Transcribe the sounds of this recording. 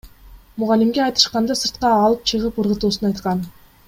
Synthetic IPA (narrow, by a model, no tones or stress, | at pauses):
mʊʁɑlʲːimɡʲeɑjt̪ɯ̥ʃqɑnd̪ɑsɯɾt̪̚qɑːlˠɯp̚t͡ʃʰɯʁɯpɯɾʁɯt̪uːsunɑjt̪qɑn